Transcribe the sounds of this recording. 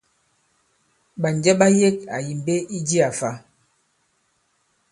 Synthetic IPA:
ɓa˨n˨d͡ʒɛ˦ɓa˦je˦k̚a˨ji˨m˨be˦i˦d͡ʒi˦a˨fa˨˦

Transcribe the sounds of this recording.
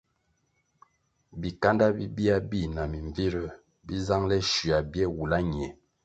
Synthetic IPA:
bi˨ka˦nda˦bi˦bi˦a˦bi˦˨na˨mi˨ɱvi˦ɾə˨ | bi˦za˦ŋlɛ˦ʃi˨a˨bjɛ˦wu˨la˦ɲ˨ɛ˨

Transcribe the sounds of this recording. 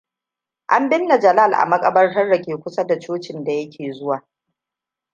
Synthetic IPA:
ʔa˦mbɪ˦nːa˨d͡ʒɐ˨la˦˨lʔa̰˨mɐ˦kʼɐ˦bɐ˦rhɐ˦rːa˨kʲeː˨kʷʊ˦sa˦da˨t͡ʃoː˦t͡ʃɪ˨nda˨jɐ˦kʲʰeː˨zʊ˦waː˨

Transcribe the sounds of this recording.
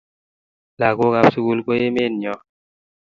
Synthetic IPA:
la˨ko˦ka˦psu˦ku˦lko˦e˦me˦˨nɲɔ˨˦

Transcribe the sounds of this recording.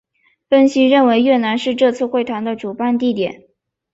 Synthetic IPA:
fə˥nɕi˥ɻə˥˩nwe˧˥ɪɥɛ˥˩na˧˥nʂɻ̩˥˧ʈ͡ʂɤ˥˧t͡sʰɹ̩˥˧xwe˥˩ɪt̪ʰwa˧˥nd̪ə˧ʈ͡ʂu˨˩pa˥˧nt̪i˥˩t̪jɛ̰˨˩˦n

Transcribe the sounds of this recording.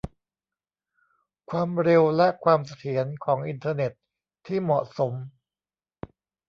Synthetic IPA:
kʰwaː˧mɾe˧wlɛ˦˥kʰwaː˧ms̬a˧t̪ʰiː˩˦ənkʰɔː˩˦ŋʔi˧nt̪ʰɤː˧ne˨˩t̪̚ | t̪ʰːiː˥˩mɔ˨˩ʔso˩˦m

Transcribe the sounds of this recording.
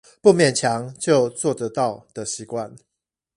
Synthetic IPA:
pu˥˧mjɛ˥˨nt͡ɕʰja˧˦ŋt͡ɕjo˥˨ʊt͡swɔ˥˨t̪ə˨˦t̪ɑ˥˨ʊd̪̥ə˨ɕi˨˦kwa˥˨n

